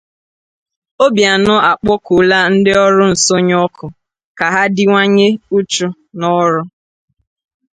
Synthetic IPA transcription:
o˦bja˨nʊ˦a˨k͡pɔ˦kʊ˨la˦n̩˦dɪ˦ɔ˦ɾʊ˦n̩˨so˦ɲ˦ɔ˦kʰʊ˨ | ka˨ɦa˦dɪ˦ŋʷa˦ɲe˦u˦t͡ʃʊ˦ | nɔ˦ɾʊ˦

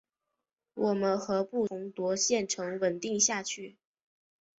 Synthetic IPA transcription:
wʔɔ˨˩mə˦nxɤ˧˥pu˥˩ʊ˧˥ŋt̪wɔ˧˥ɕjɛ˥˩nʈ͡ʂʰɤ˧˥ŋwə˨˩nt̪i˥˧ŋɕja˥˧t͡ɕʰy˥˩

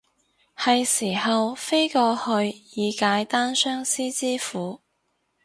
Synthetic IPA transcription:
hɐ˨jsiː˨˩hɐ˨wfe˥jkɔː˧hɵ˧ɥjiː˨˧kaː˨˧˥jt̪aː˥nsœː˥ŋsiː˥t͡siː˥fuː˨˥

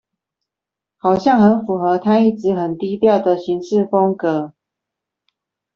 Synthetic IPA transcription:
hɑ˨˩ʊɕjɑ˥˨ŋxə˨˦nfu˨˩xɤ˧˦t̪ʰa˥i˥˩ʈ͡ʂɻ̩˧˦xə˨˩nt̪i˦t̪jɑ˥˨ʊd̪ə˨ɕi˨˦ŋʂɻ̩˥˨fɔ˥ŋkɤ˨˦

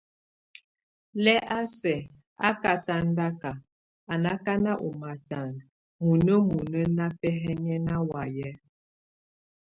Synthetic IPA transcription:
lɛ˦ʔa˦sɛ˨ | a̰˦ka˨ta˦n˦da˦ka˨ | a˨na˦ka˦na˦ʔṵ˨ma˨ta˨n | mu˨nə˦mu˨nə˦na˦pɛ˦ɦɛ˦ɲɛ˦na˦wa˨jɛ˦

